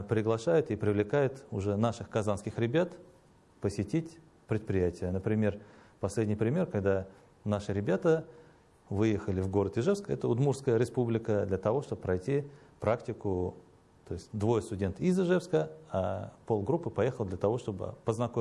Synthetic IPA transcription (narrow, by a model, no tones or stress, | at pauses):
pɾʲɪɡlˠɐʂajʊt̪ɪpɾʲɪvlʲɪkajʊt̪ʊʐɛnaʂɨxkɐzanskʲɪxɾʲɪbʲat̪ | pəsʲɪtʲitʲ | pɾʲɪt̪̚pɾʲɪjætʲɪjənəpɾʲɪmʲe̞r | pɐsʲlʲedʲnʲɪjpɾʲɪmʲe̞rkɐɡd̪a | naʂɨɾʲɪbʲat̪ə | vɨjexəlʲɪvɡo̞ɾət̪ɪʐɛfskɛt̪əʊd̪murskəjəɾʲɪspublʲɪkəd̪lʲət̪ɐvo̞ʂt̪o̞bəpɾɐjtʲipɾaktʲɪkʊ | t̪o̞ɪsʲtʲd̪vo̞jəst̪ʊdʲe̞nt̪izɪʐɛfskəapo̞lˠɡɾupːɨpɐje̞xəlˠd̪lʲət̪ɐvo̞ʂt̪o̞bɨ̰pəznɐko